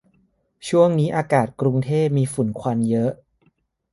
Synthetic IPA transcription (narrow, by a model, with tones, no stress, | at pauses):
t͡ɕʰu˥˩əŋniː˦˥ʔaː˧kaː˨˩t̪̚kɾu˧ŋt̪ʰeː˥˩p̚miː˧fu˨˩˦nkʰwa˧njɤ˦˥ʔ